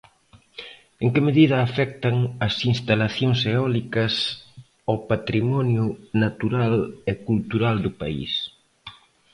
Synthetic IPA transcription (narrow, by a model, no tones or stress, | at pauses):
eŋkɪmeðiðɐːfɛk̚t̪ɐŋɐsinst̪alaθjoŋseɔlikɐs | opat̪ɾimɔnjʊnat̪uɾalekult̪uɾald̪ʊpa̰ḭs